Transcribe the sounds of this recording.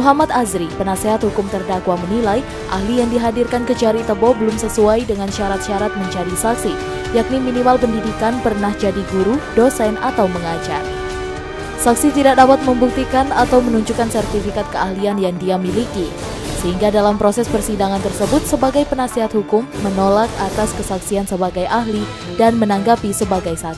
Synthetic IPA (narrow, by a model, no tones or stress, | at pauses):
muɦamat̪azɾipənasɛɦat̪̚hukʊmt̪ərdakwamənilaj | ʔahlijaŋdiɦadirkankəd͡ʒaɾit̪əbɔbəlumsəsuajdəŋanʃaɾat̪̚ʃaɾat̪̚məɲd͡ʒadisaksi | jak̚niminimalpəndidikanpərnahd͡ʒadiɡuɾudosɛnat̪awməŋad͡ʒa̰r | sak̚sit̪idak̚dapat̪̚məmbuk̚t̪ikanat̪awmənuɲd͡ʒukansɛrt̪ifikat̪̚kəahlianjaŋdiamiliki | səɦiŋɡadalampɾosɛspərsidaŋant̪ərsəbʊt̪̚səbaɡajpənasiɦat̪hukʊmːənolakat̪askəsaksiansəbaɡajʔaɦli | danmənaŋɡapisəbaɡajsa